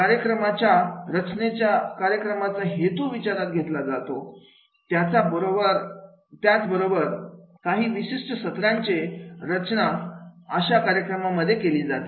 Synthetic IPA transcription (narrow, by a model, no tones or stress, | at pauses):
kaɾjəkɾəmat͡ɕjaɾət͡ɕnet͡ɕjakaɾjəkɾəmat͡saɦet̪uʋit͡ɕaɾat̪̚ɡʱet̪lad͡zat̪o | t̪jat͡sabəɾobəɾ | t̪jat͡sbəɾobəɾkaɦiːʋiɕiʂʈəsət̪ɾjaɲt͡ɕeɾət͡ɕnaəɕakaɾjəkɾəmaməd̪ʱːjekeliːd͡zat̪e